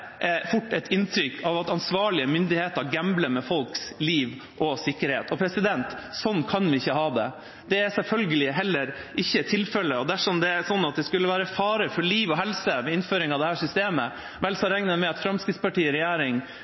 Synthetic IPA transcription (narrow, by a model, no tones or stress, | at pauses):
ʔfʊʈːɛt̪ɪnt̪ʰɾʏkʰːɑʋɑt̪ɑnsʋɑːɭɪəmʏnd̪ɪheːt̪əɾɡæmbləmɛfɔlksliːʋ | ʔɔsɪkːəɾhḛːt̪ʰɔpʰɾɛsɪd̪ɛnt̪sɔnːkʰɑnʋɪɪçːəɦɑːd̪ɛ̰ | d̪̥ɛæsɛlfœlɡəlɪɦɛlːəɾ | ʔɪçːət̪ʰːɪlfɛlːəɔd̪æʂɔmd̪ɛæsɔnːɑt̪̚d̪ɛskʉlːəʋæːɾəfɑːɾəfɔɭiːʋɔɦɛlsəʋɛɪnføːɾɪŋɑʋd̪ɛhæːʂʏst̪eːmə | ʋɛlsɑɾɛŋnəmɛɑt̪fɾɑmskɾɪt̪spɑʈiːɾɛjæːɾɪŋ